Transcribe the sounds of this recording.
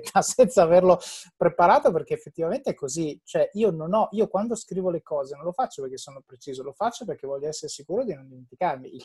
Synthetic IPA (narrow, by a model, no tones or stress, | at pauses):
asɛnt̪saːverlopɾepaɾaːt̪operk̟eːfːet̪ːivament̪eɛkːozit͡ʃoɛʔiːononɔʔiːokwand̪oskɾiːvolekɔːzenõnlofat͡ʃːoperk̟esːoːnopɾet͡ʃiːzolofat͡ʃːoperk̟evːɔʎːoɛsːeɾesikuːɾod̪inond̪iment̪ikarmiil